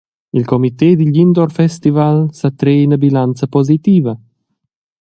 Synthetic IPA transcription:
ilkɔmit̪ed̪iʎind̪ɔrfɛst̪ivalsat̪ɾeːinəbilant̪t͡səpɔzit̪iːvə

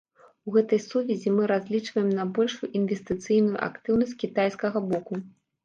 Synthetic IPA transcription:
uɣɛt̪ɐjsuvʲɛzʲimɨɾazʲlʲit͡ʂvɐjɛmnɐbɔlʲʂujuʔinvʲesʲt̪ɨt̪sɨjnujṵʔa̰kt̪ɨwnɐsʲtʲkʲit̪ajskɐɣɐbɔku

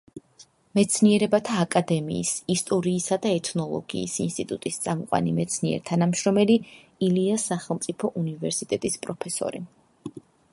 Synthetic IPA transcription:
mɛt̪sʰniɛɾɛbat̪ʰaːkʼad̪ɛmḭːsist̪ʼɔɾiːsad̪aɛt̪ʰnɔlˠɔ̰ɡḭːsinst̪ʼit̪ʼut̪ʼist̪sʼamɔqʼwa̰nimɛt̪sʰniɛ̰ɾt̪ʰanamʃɾɔmɛli | iliasaχɛlˠmt̪sʼipʰɔʔunivɛɾsit̪ʼɛt̪ʼispʼɾɔpʰɛsɔ̰ɾḭ

